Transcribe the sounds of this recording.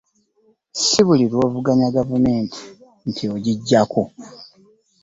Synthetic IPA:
siβuliɾwo̞ːvuɡaɲaɡavume̞ːntʰi̥ | ntʰioɟiɟːako

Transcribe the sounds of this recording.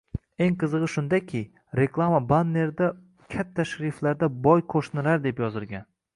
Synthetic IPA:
e̞ŋqɨzɨʁɨʃʊnd̪akʲʰɪ | ɾe̞klˠamabanːe̞ɾd̪a | kʲʰat̪ʰːaʃɾiflaɾd̪abɒjqʰoʃnɪlaɾd̪e̞pjɒzɪlɡʲan

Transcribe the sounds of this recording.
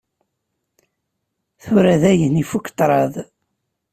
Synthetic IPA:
θʊɾæðæjənifukːt̪ˤɾˤɑðˤ

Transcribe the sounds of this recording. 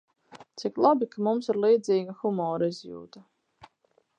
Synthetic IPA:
t̪siklˠabikamumsiɾlˠiːd̪ziːɡaxumɔːɾaizjṵːt̪a

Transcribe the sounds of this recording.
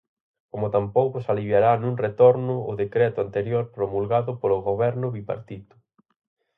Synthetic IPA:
komʊt̪ampowkʊsaliβjaɾanũŋret̪oɾnʊʊðekɾɛt̪ʊant̪eɾjoɾpɾomulɣaðʊpolʊɣoβɛɾnʊβipa̰ɾt̪it̪ʊ̥

